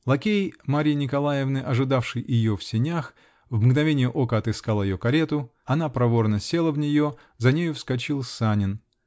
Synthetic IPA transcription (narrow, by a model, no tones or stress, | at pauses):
lˠɐkʲejmaɾʲɪnʲɪkɐlˠajɪvnɨʔɐʐɨd̪afʂɨjɪjofsʲɪnʲax | vmɡnɐvʲenʲɪjəʔo̞kəɐt̪ɨskalˠəjɪjokɐɾʲe̞t̪ʊɐnapɾɐvo̞rnəsʲe̞lˠəvnʲɪjo̞ | zɐnʲejʊfskɐt͡ɕilˠsanʲɪn